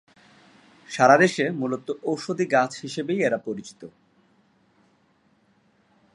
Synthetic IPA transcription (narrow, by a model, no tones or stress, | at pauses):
ʃaɾad̪eʃemulot̪oʔowʃod̪ʱiɡat͡ɕʰhiʃebejeɾapoɾit͡ɕi̥t̪o